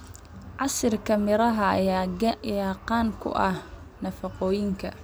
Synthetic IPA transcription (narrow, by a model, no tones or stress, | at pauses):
ʕɑsɪrkʰɐmɪɾɐɦɐ | jaːqɑːŋkʰʊ̰ʔɐh | nɐfɑqɔːjɪŋkʰɐ̰